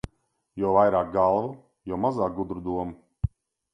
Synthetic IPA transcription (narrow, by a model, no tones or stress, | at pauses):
jɔwvajɾaːk̚ɡalˠvu | jɔwmazaːk̚ɡud̪ɾud̪uɔmu